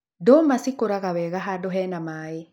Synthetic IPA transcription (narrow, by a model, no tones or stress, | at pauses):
domasikoɾaɣawɛɣaɦadoɦɛnamaːi